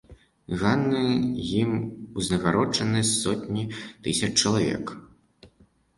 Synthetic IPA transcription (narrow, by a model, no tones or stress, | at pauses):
ɣanːɨjimuznʲɐɣaɾɔt͡ʂɐnɨsɔt̪ʲnʲit̪ɨsʲɐt͡ʂt͡ʂɐlˠavʲɛ̰k